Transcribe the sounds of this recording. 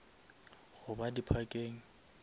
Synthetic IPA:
ɣʊbadipʰakʼeːŋ̩

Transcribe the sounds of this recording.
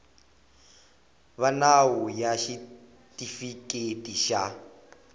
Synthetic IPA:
βanawujaʃi | tʼifikʼetʼiʃa

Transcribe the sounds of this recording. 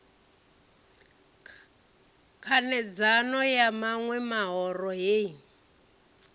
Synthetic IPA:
kʰanɛd͡zanɔjamaŋwɛmaɦɔrɔɦe

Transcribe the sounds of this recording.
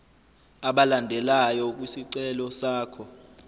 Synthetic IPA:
aɓalandʱɛlajɔk̬ʼwisiǀɛlɔsaːkʰɔ

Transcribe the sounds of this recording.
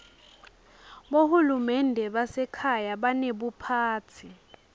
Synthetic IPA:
ɓohulumɛndʱɛɓasɛkʰajaɓaneɓupʰaːt͡sʰi

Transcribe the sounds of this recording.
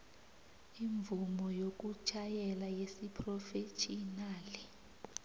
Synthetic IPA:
iɱb̪vumɔjok̬ʼut͡ʃʰʼajɛlajesipʰrɔfet͡ʃʰʼinaːli

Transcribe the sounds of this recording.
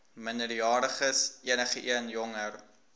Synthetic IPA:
məndərjɑːɾəχəsiənəχəʔiənjɔŋər

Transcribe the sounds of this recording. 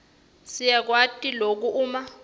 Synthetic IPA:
sijak̬watʼilok̬uʔuːma

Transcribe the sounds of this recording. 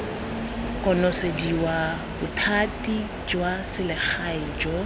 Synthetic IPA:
kʼɔnɔsediwa | bʊtʰatʼi | d͡ʒwasɪlɪk͡xʰaɪd͡ʒɔ

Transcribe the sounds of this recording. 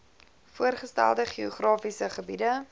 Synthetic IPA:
fuərχəstæ̰lˠdəχioχrɑːfisəχəbidə

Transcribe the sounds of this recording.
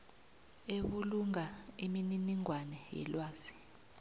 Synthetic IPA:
eɓuluŋaimininiŋwanɛjɛ̰lwaːz̥i̥

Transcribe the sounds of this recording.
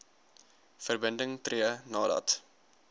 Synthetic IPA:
fərbəndəŋtriənɑːdɐ̰t

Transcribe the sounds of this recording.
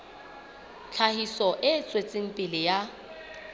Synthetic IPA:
t͡ɬʰahisɔʔɪt͡sʼwet͡sʼɪŋ̩pʼɪlɪja

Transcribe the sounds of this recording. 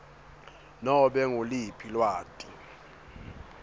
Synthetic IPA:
nɔɓɛŋolipʰilwaːtʼi

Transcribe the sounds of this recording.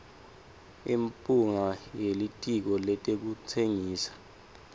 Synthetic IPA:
impʼuŋajelitʼik̬ɔlɛtʼek̬ut͡sʰeŋiːsḁ

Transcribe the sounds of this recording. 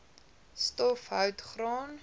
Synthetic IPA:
stɔfɦœwtχrɑːn

